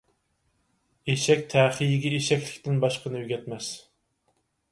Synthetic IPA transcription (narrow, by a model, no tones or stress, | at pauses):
eʃɛkʲt̪ʰɛːχijɪɡʲieʃɛkʲlɪ̥kʲt̪ɪnbɑʃqənɨyɡʲɛt̪mɛs